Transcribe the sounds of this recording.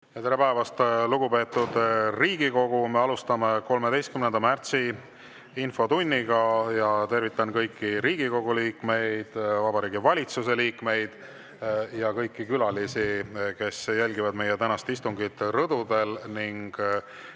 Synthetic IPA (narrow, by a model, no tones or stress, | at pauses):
jɑt̪eɾe̞pæevɑst̪luɡ̥upe̞ːt̪ːˑud̪̥riːɡiko̞ɡ̥ume̞ɑlust̪ɑme̞ko̞lme̞d̪e̞jst̪kymnend̪̥ɑmært̪si | info̞t̪unʲːiɡɑjɑt̪e̞rvit̪ːˑɑnkɤjkːiɾiːɡiko̞ɡ̥uliːkme̞jd̪̥vɑbɑɾiːɡivɑlʲit̪sus̬e̞liːkme̞jd̪̥ | jɑkɤjkːikylɑlisike̞sjælʲɡivɑd̪me̞je̞t̪ænɑst̪ist̪uŋɡit̪rɤd̪ud̪e̞lniŋɡ̥